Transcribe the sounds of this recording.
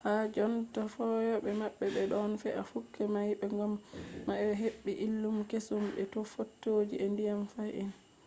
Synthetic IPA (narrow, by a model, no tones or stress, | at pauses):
had͡ʒɔntafɔjɔɓɛmaɓːɛɓɛɗɔnfɛ̰ʔafukːɛmajɓɛŋɡamːaɦeɓːiʔilːumkesumɓɛtofotːod͡ʒiʔɛndijamfajin